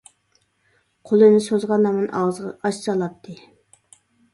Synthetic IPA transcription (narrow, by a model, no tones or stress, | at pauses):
qʰolˠɨnɪsozʁɑnːɑmɨnʔɑ̰wzʁɑ̰ɑʃt͡ʃɑlˠɑp̚t̪ʰɨ